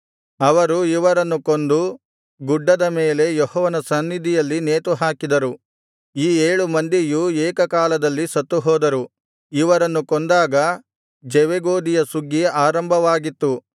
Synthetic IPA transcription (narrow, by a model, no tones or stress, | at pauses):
ɐʋɐɾuiʋɐɾɐnːukond̪u | ɡuɖːɐd̪ɐmeːle̞jɔhɔːʋɐnɐsɐnːid̪ijɐlːineːt̪uɦaːkid̪ɐɾu | iːeːɭumɐnd̪ijueːkɐkaːlɐd̪ɐlːisɐt̪ːuɦɔːd̪ɐɾu | iʋɐɾɐnːukond̪aːɡɐ | d͡ʒeʋeɡoːd̪ijɐsuɡːiaːɾɐmbʱɐʋaːɡit̪ːu